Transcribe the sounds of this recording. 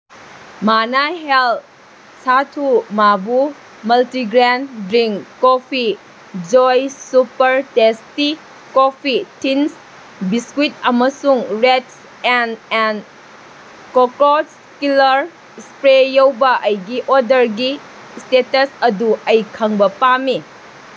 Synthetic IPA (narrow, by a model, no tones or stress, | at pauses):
manaɦel | satʰumabu | mɐltiɡɾendɾiŋkːopʰi | d͡ʒojsupɐɾtesti | kopʰitins | biskwit̚ɐmɐsuŋɾets | ɛnɛn | kokot̚skilɐɾ | spɾejowbɐʔɐjɡiʔodɐɾɡi | stetɐsɐduɐjkʰɐŋbɐpami